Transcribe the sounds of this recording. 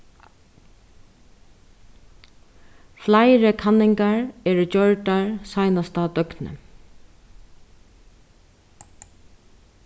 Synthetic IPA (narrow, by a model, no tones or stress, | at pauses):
flajɾɪkʰanːɪŋkaɹɛːɾd͡ʒœɹʈaɹsajnast̪ad̪œknə̰